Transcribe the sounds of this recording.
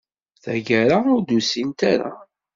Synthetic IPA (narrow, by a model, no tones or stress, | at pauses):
θæ̰ɡəɾaʊɾd̪usint̪aɾa̰